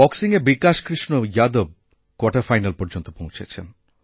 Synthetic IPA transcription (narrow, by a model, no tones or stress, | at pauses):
ɔksiŋeɾbikaʃkɾiʃnojad̪ob̚ | kwɔʈaɾfajnalpɔɾd͡ʑont̪opõw̃t͡ɕʰet͡ɕʰḛn